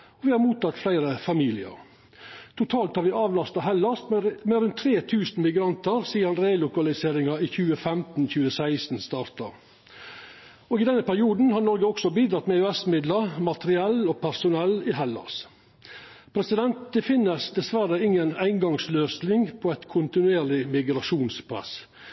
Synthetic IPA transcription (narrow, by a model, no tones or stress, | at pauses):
ɔʋɪːhɑɾmuːt̪ʰɑt̪flæɪɾəfɑmiːlɪə̰ɾ | t̪ʰʊt̪ʰɑːlt̪hɑɾʋɪʔɑːʋlɑst̪ɑɦɛlːɑst̪mɛɾʉnt̪ʰːɾeːt̪ʰʉːsn̩mɪɡɾɑnt̪əɾsiːəɑnɾeːlʊkɑlɪseːɾɪŋɑiçʉːəfɛmt̪n̩çʉːəsæɪst̪n̩st̪ɑːɾt̪ɑ | oːɡɪd̪ɛnːəpʰæɾɪuːd̪n̩hɑɾnɔɾɡəɔksɔbiːd̪ɾɑt̪mɛœɛsmɪd̪ləɾmɑt̪əɾɪɛlːopʰæɾsʊnɛlːɪɦɛlːɑ̰s | pʰɾɛsɪd̪ɛnt̪̚d̪ɛfɪnːəsd̪ɛsʋæɾəɪŋːənæɪŋɡɑŋsløːsnɪŋpʰɔɛt̪kʰʊnt̪ɪnʉeːɾlɪmɪɡɾɑʂuːnspʰɾɛ̰s